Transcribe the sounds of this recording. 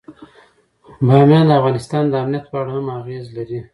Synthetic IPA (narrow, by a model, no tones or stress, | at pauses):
bɑmjɑnd̪əafɣɑnɪst̪ɑnd̪əamnijat̪pɑɽahamaɣezlaɾi